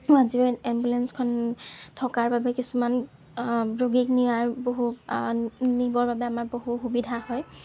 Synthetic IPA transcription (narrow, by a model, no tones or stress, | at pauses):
aziɛmbulɛnskʰɔntʰɔkaɹbabɛkisuman | ɹoɡik̚niwaɹboɦu | nibɔɹbabɛamaɹboɦuxubidʱahɔj